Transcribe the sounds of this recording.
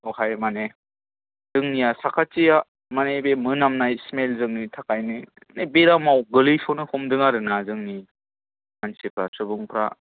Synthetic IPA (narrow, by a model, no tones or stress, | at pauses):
ohajmane | z̥ɯŋnijasakʰat͡ʃija | manebemɯnamnajsmelzɯŋnitʰakajnɯ | nebeɾamawɡɯlɯjsɔnɯhɔmdɯŋaɾɯnazɯŋni | mansipʰɾasɯbɯŋpʰɾa̰